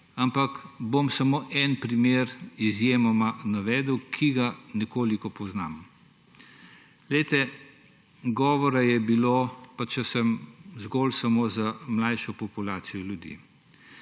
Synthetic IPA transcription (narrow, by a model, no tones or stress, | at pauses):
ampɐkbomsɐmoːʔɛnpɾimeːɾizjeːmɔmanaʋɛːd̪əwkʰiɡanɛkoːlikɔpɔznam | lɛjt̪ɛ | ɡɔːʋɔɾajɛbilopat͡ʃɛsɛmzɡɔːlsɐmoːzamlajʃɔpɔpulaːt̪sijɔljud̪ḭ